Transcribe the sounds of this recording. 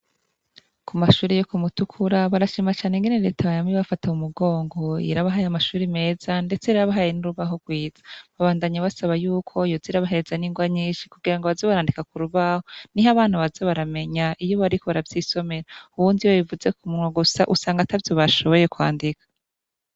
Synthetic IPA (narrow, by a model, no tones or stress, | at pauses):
kumaʃuːɾijokumutukʰuɾaβaɾaʃiːmat͡ʃaːneŋɡeneɾe̞ːtaβajamiβafataumuɡo̞ːŋɡo̞ḭɾaβaɦajamaʃuːɾime̞ːz̥ande̞t͡se̞iɾaβaɦajenuɾuβaɦo̞ɡwiːz̥ḁβaβaːndaɲaβasaβajuːkʰo̞joziɾaβaɦe̞ɾezaniːŋɡwaɲiːnʃi̥kuɡiɾaŋɡoβazoβaɾaːndikakuɾuβahoniɦaβaːn̥huβazoβaɾame̞ɲaʔijoβaɾiko̞βaɾavziːso̞me̞ɾauwuːndiwaβivuze̞kumunŋaɡusa̰ʔusaːŋɡatavjo̞βaʃo̞βo̞je̞kwa̰ːndikḁ